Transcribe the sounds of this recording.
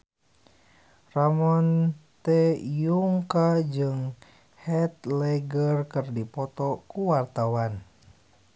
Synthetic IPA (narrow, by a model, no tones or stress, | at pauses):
ramɔnt̪ɛjuŋkad͡ʒɨŋ | hɛt̪̚lɛɡərkɨrdipɔt̪ɔkuwart̪awan